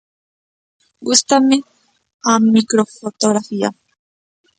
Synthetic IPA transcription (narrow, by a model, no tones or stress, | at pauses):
ɡust̪ame | amikɾofot̪oɣɾafia̰